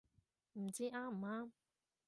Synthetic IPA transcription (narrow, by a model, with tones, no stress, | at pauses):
m̩˨˩t͡ɕiː˦˥ʔaː˥m̩˨˩˨aː˧˥